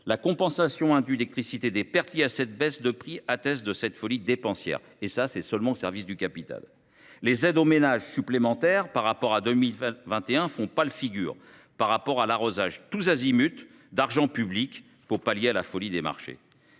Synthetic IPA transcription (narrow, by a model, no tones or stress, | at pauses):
lakɔ̃pɑ̃sasjɔ̃ɛ̃d̪ɥylɛk̚t̪χisit̪ed̪epɛʁt̪ljeasɛt̪̚bɛsd̪əpχiat̪ɛsd̪əsɛt̪fɔlid̪epɑ̃sjɛ̰ʁ | esasɛsœlmɑ̃osɛʁvisd̪ykʲapit̪a̰lː | ezɛd̪omenaʒsyplemɑ̃t̪ɛʁpaʁːapɔʁad̪ømilvɛ̃t̪eɛ̃fɔ̃palfiɡʲy̰ːʁ | paʁːapɔʁalaʁozaʒt̪uzazimyt̪ | d̪aʁʒɑ̃pyblik | puʁpaljealafɔlid̪ema̰ʁʃḛ